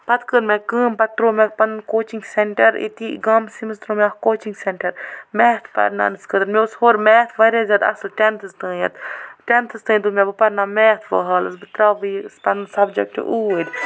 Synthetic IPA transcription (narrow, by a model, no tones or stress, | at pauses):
pɐt̪kəɾmẽkɨːmpɐt̪ɾoːmepɐnkoːt͡ʃiŋɡseɳʈɐɾḭt̪ḭːɡɐmsimst̪ɾõːmeɐkoːt͡ʃiŋɡseɳʈɐɾmeːt̪ʰpɐ̰ɾna̰ːnɨskəd̪ɨɾmeushoːɾmeːt̪ʰʋɐɾeːzʲaːd̪ɐ̰slʈʲent̪ʰɨst̪ə̃ːjɐt̪ʈʲent̪ʰɨst̪ɨ̃ːd̪umʲebɨpɐɾnaːmeːt̪ʰʋɐ̰ɦɐːlɨsbit̪ɾaːʋispɐnsɐbd͡ʒek̚ʈʔuːəd̪ʲ